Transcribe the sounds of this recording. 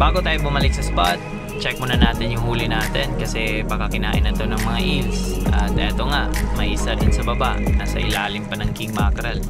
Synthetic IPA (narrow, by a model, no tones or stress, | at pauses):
b̥aːɡo̞t̪aːjobʊmɐlɪk̚sɐspat̪̚ | t͡ʃɛk̚monɐnaːt̪ɪnjʊŋhuːlɪnaːt̪ɛnkɐsɛbɐkɐkɪnaːʔɪ̰nɐt̪o̞nɐŋmɐŋaʔilsʔɐt̪ʔɛːt̪oŋaʔmɐʔiːsad̪ʊnsɐbɐba̰ʔnaːsɐ̰ʔɪ̰laːlɪmpɐnɐŋkɪŋmaːkɐɾal